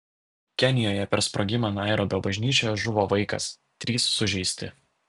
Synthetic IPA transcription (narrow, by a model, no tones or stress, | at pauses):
kʲɛnʲɪjoːjɛpʲɛɾspɾʔoɡʲɪmɑnɑˑɪɾoːbʲɛbɐʒʲnʲiːt͡ʃʲojʒʊʋoːʋɐɪkɐ̰s | t̪ʲɾʲiːsːʊʒʲɛɪsʲt̪ʲɪ